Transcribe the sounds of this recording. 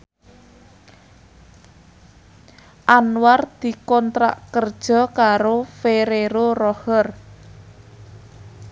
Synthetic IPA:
ʔanward̪̥i̤kɔnt̪ɾa̰ʔkərd̥ʒ̥ɔ̤kaɾofeɾeɾorɔhər

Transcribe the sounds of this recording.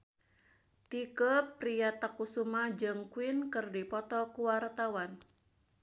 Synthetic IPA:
t̪ikəpɾijat̪akusumad͡ʒəŋkwɪnkɨrdipɔt̪ɔkuwart̪awan

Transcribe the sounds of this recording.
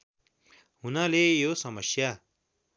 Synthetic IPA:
ɦunalejosʌmʌsja

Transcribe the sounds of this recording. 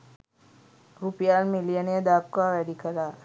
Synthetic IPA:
ɾupijaːlmilijənijəd̪aːkʋaʋɛɖikəɾaː

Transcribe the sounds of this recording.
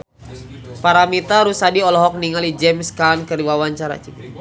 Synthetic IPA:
paɾamit̪aɾusadiɔlɔɦɔk̚niŋalid͡ʒɛmskankəriwawaɲt͡ʃaɾa̰t͡ʃik

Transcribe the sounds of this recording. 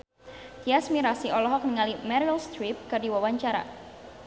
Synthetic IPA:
t̪iasmiɾasiɔlɔɦɔk̚nəŋalimɛɾilst̪ɾip̚kərdiwawaɲt͡ʃaɾa̰

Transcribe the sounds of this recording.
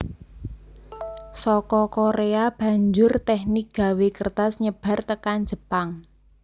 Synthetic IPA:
sɔkɔkoɾeab̥a̤ɲd͡ʒʊrt̪ɛhnik̚ɡ̥a̤wekərt̪asɲəb̥a̤rt̪əkan̥d͡ʒ̥ə̤paŋ

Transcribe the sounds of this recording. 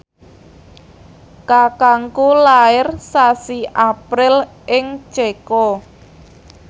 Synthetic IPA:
kakaŋkulaɪrsasiʔapɾɪl | ʔɪŋt͡ʃekɔ

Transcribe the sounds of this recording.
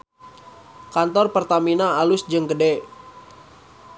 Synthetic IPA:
kant̪ɔrpərt̪aminaːlʊsd͡ʒɨŋɡədɛ

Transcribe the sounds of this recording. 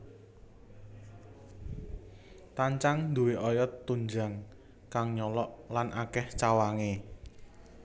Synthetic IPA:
t̪aɲt͡ʃaŋd̪uweʔɔjɔt̪ːuɲd͡ʒa̤ŋ | kaŋɲɔlɔʔlanʔakɛht͡ʃawaŋe

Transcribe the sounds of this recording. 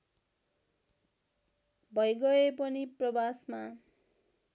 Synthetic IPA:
bʱʌjɡʌepʌniprʌbasma

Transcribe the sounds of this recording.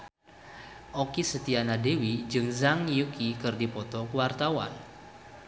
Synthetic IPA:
ʔɔkisət̪ianadewid͡ʒɨŋzaŋjukikɨrdipɔt̪ɔkəwart̪awa̰n

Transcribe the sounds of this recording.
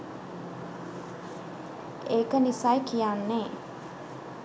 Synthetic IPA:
eːkənisajkijaːnːeː

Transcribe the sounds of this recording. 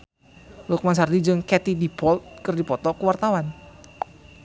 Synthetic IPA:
lʊk̚mas̬ardid͡ʒɨŋkɛt̪idipɔlt̪̚kɨrdipɔt̪ɔkəwart̪awan

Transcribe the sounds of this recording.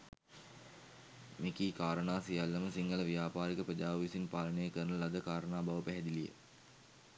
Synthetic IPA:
mikiːkaːɾənaːsijalːɐməsiŋɡələʋijaːpaːɾikəprəd͡ʒaːʋəʋisinpaːlənəjəkəɾnəlad̪əkaːɾənaːbaʋəpæɦɛd̪ilijə̰

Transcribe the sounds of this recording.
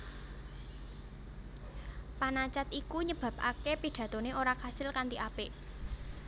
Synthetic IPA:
panat͡ʃat̪ikuɲəb̥a̤pʔakepid̥ä̤t̪oneoɾakasɪlkant̪iʔapɪʔ

